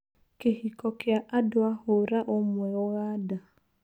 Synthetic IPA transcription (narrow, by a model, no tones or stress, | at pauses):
keɦikɔkɪaʔadʊaɦʊɾaʔʊmwɛʊɣada